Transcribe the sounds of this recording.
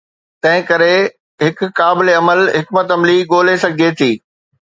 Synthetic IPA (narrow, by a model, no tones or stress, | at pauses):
t̪ɐ̃ɦɪ̃kɐɾe | ɦɪkʊːaːbɪleɐməlɦɪkmət̪ɐmliːɠoːlesɐɡʱet̪ʰiː